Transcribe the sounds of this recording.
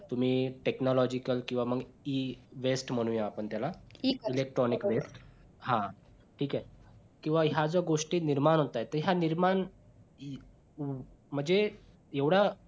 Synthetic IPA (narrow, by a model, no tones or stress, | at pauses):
t̪um̤iːʈeknɔlɔd͡ʑikəlkĩw̃ʋaməɡiʋesʈm̤əɽ̃ũjaːpəɳt̪jalailek̚ʈɾɔnikʋesʈ | ɦã | ʈʰiːkɛ | kĩw̃ʋaɦad͡zəɡoʂʈiːniɾmaɳ̃ɦot̪ajt̪əɦjaniɾmaɳ | m̤əɳd͡ze | eʋɽa